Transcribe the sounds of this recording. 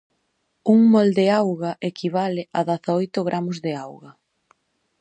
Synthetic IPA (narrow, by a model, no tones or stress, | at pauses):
uŋmɔld̪eawɣaʔekʰiβaleʔaðaθaojt̪ʊɣɾʔamozðeawɣɐ